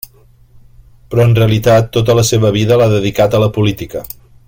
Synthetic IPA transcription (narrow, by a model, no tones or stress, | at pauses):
pɾɔənreəlit̪at̪ːot̪̬ələseβ̞əβ̞iðəlaðəðikat̪ələpulit̪ikə